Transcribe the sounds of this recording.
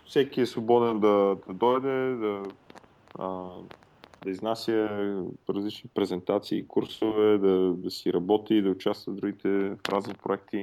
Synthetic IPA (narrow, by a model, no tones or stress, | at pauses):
fsɛkiɛsvobɔd̪ɛnd̪ɐd̪ɐd̪ɔjd̪ɛd̪ɐ | ə | d̪ɐiznasʲjə | ɾɐzlit͡ʃnipɾɛzɛnt̪at̪sḭːkuɾsovɛd̪ɐd̪ɐsiɾɐbɔt̪id̪ɐʊt͡ʃast̪vəd̪ɾuɡit̪ɛfɾazipɾʊɛk̚t̪i